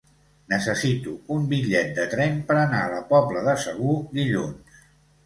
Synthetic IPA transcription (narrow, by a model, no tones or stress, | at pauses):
nəsəsit̪uumbiʎɛt̪̚d̪ət̪ɾɛmpəɾənaələpɔbləðəsəɣ̞ud̪iʎuns